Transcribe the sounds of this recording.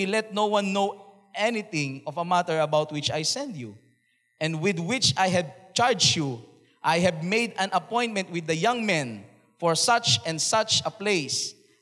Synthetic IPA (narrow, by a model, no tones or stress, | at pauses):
ilɛt̪̚nowwãnːow | ʔɛnɪθɪ̃ŋɔvɐmat̪ɛɹɐbawt̪̚wɪt͡ʃajsɛ̃nd̪ju | ʔɛ̃nd̪wɪd̪wɪt͡ʃajɦɛd̚t͡ʃaɹd͡ʒju | ʔajɦɛvmejd̪ɐ̃nʔɐpɔ̃j̃n̚mɛ̃nt̪̚wɪd̪ːɐjʌ̃ŋmɛ̃n | fɔɹsat͡ʃɛ̃nd̪sat͡ʃɐplejs